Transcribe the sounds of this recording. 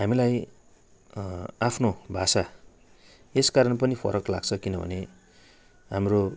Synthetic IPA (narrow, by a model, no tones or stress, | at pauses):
ɦamilaj | apʰnobʱasa | eskaɾʌnpʌnipʰʌ̰ɾʌklaɡt͡sʰʌkinʌbʱʌ̰ne | ɦamro